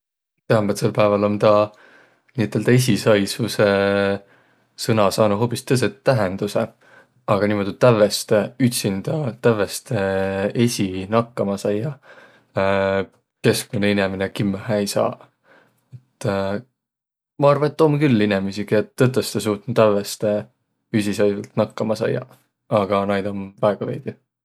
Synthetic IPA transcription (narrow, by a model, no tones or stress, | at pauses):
t̪eɑmbet̪se̞lpæevɑlo̞nt̪ɑ | niːet̪ːˑeld̪ɑes̬ʲisɑjsuse | sɤnɑsɑːnuɦo̞pːˑist̪ɤs̬et̪ːæɦend̪̥use | ɑɡ̥ɑniːmo̞d̪̥ʲut̪ːævest̪eyt̪sind̪̥ɑt̪ævest̪ee̞sʲinɑkːɑmɑsɑjɑ | ke̞skmuneineminekimːhæjsɑ̰ː | et̪ːˑ | mɑɑrvɑnet̪ːo̞mkylːinemisiket̪ːɤt̪ːˑəst̪es̬uːt̪nut̪ːævest̪e | ys̬ʲisɑjvɑlt̪nɑkːɑmɑsɑjːɑ̰ | ɑɡ̥ɑnɑjd̪̥o̞nvæeɡ̥ɑvḛjd̪̥i